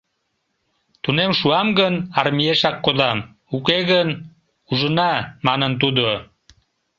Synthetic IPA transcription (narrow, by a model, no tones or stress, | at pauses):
t̪unemʃuɑmɣənɑrmieʃɑkːod̪ɑm | ukeɣən | uʒənɑmɑnənt̪̬ud̪o